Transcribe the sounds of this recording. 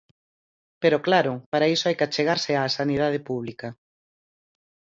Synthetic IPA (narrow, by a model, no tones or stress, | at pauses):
peɾoklaɾʊpaɾaisoajkɪat͡ʃeɣaɾsɪaːsanið̞að̞ɪpuβ̞likɐ